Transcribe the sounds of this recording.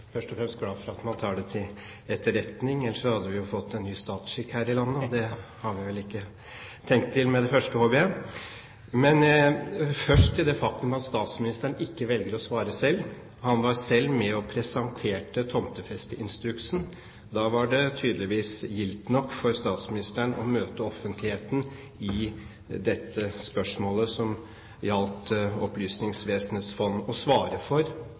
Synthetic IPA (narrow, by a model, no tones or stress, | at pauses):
fœʂʈɔfɾɛmst̪̚ɡlɑːfɔɾɑt̪mɑnt̪ʰɑːɖɛt̪ʰɪl | ɛt̪ːəɾɛt̪nɪŋɛlːəʂɔhɑd̪ːəʋɪjʊfɔt̪ːɛnːyːst̪ɑːt̪sʂɪkhæːɾɪlɑnːəɔd̪ɛhɑɾʋɪʋɛlɪkːə | t̪ʰɛŋk̚t̪ʰːɪlmɛd̪ɛfœʂʈəhɔbɪə | mɛn | fœʂʈt̪ɪld̪ɛfɑk̚t̪ʉmɑt̪st̪ɑːt̪smɪnɪst̪əəɳɪkːəʋɛlɡəɾɔsʋɑːɾəsɛlː | hɑnʋɑɾsɛlːmɛɔpʰɾɛsɑnt̪ʰeːʈət̪ʰɔmt̪əfɛst̪əʔɪnst̪ɾʉksn̩ | d̪ɑːʋɑɖɛt̪ʰyːd̪lɪʋiːsjɪlt̪nɔkːfɔɾst̪ɑːt̪smɪnɪst̪əəɳʔɔmøːt̪əɔfːənt̪ʰlɪheːt̪n̩ | ɪ | d̪ɛt̪ʰːəspœʂmoːləsɔm | jɑlt̪ɔplyːsnɪŋsʋeːsənhet̪sfɔnːɔsʋɑːɾəfɔɾ